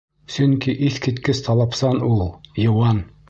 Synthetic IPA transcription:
sɵŋkiʔiθkit̪kɘst̪ʰɑlˠɑpsɑnulˠjŏwɑn

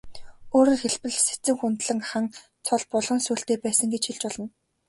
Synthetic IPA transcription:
oːɾŏːrxeɮpɘ̆ɮse̥t͡sɘ̆ŋxunt̪ɮɘ̆ŋχaŋ | t͡sʰɔɮpɔɮʁɞ̆ŋsuːɬt̪eːpæːsə̆ŋɡet͡ɕxiɮt͡ɕɔɮɞ̆n

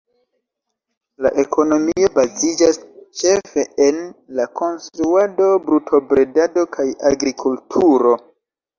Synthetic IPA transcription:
la̰ʔe̞kʰo̞no̞mio̞bazid͡ʒast͡ʃe̞fe̞enlako̞nstɾuado̞bɾutʰo̞bɾe̞dado̞kʰaja̰ɡɾikʰultʰuɾo̞

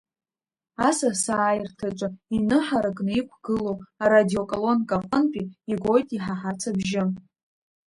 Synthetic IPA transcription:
asasaːjrtʰat͡ʃʷʼainɨħaɾakʼnɨikʷʰɡ̥ɨlowaɾadio̞kʼolo̞nkʼaqʼənpʲʼiiɡʷo̞jtʼiħaħat͡sʰabʒɪm

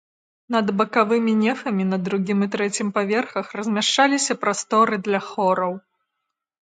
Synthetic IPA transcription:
nɐd̪bɐkavɨmʲinʲɛfɐmʲinɐd̪ɾuɡʲimɨt̪ɾɛt͡sʲimpavʲɛrxɐxrɐzʲmʲaʂt͡ʂalʲisʲɐpɾast̪ɔɾɨd̪lʲɐxɔɾɐw

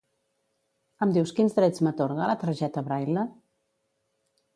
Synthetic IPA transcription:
əmd̪iwskinzd̪ɾɛt͡smət̪oɾɣalət̪ɾəʒɛt̪əβɾajlə

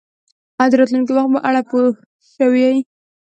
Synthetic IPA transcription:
ad̪əɾɑt̪lunk̬iwaxt̪̚baʔaɽapo | ʃəwia

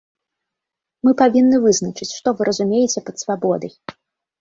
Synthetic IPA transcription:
mɨpavʲinːɨvɨznɐt͡ʂɨt͡sʲʂt̪ɔvɨɾʔɐzumʲejɛt͡sʲɛpɐt̪svabɔd̪ɐj

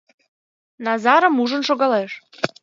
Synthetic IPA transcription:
nɑzɑɾə̆muʒə̆nʃoɣɑleʃ

